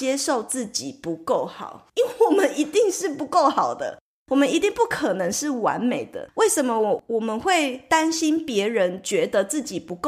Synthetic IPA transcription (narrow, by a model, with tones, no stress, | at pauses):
jɛ˥˦ʂo˥˨˧ʊt͡sɹ̩˥˩t͡ɕi˨˩pu˧˦ko˥˩ʊxɑ̰˨˩˦ʊi˥nwe˥˩wɔ˨˩mə˦ni˧˥t̪i˥˧ŋʂɻ̩˥˩pu˧˦ko˥˩ʊxɑ˨˩ʊd̪ə̰˦ | wɔ˨˩mə˦ni˧˦t̪i˥˧ŋpu˥˩kʰə˨˩nə˧˥ŋʂɻ̩˥˩wa̰˧˦nme˨˩ɪd̪ə̰˦we˥˩ɪʂə˨˦nmə˦wwɔ˨˩mə˦nxwe˥˩ɪt̪a˦˥nɕi˦˥npjɛ˧˥ɻə˧˦nt͡ɕɥɛ˧˦d̪ə˧t͡sɹ̩˥˩t͡ɕi˨˩pu˧˥ko˥˩